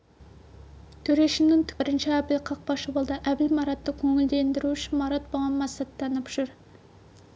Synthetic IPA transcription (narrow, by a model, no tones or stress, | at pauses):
t̪ʰøɾeʃimnɪŋt̪ʰbɪɾɪnt͡ʃʰɛæblqʰɑq̚bɑʃɨbolˠd̪ɨʔæblmɑɾɑt̪ʰːɑkʲʰøŋɪld̪end̪ɪɾut͡ʃʰɪmɑɾɑt̪̚boʁɑnmɑst̪ʰːɑnɨpʰʒ̥uɾ